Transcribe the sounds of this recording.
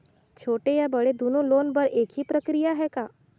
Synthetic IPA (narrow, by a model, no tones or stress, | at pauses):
t͡ʃʰoːʈejabɐɽed̪oːnõloːnpɐɾeːkɦipɾɐkɾijaɦɛkaː